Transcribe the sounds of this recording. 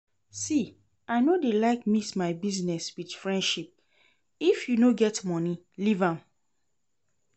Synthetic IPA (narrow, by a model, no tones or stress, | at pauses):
si | aɪnodelaɪkmismaɪbiznɛswidfɹɛ̃ndʃip̚ | ifjunoɡɛtmɔni | livãm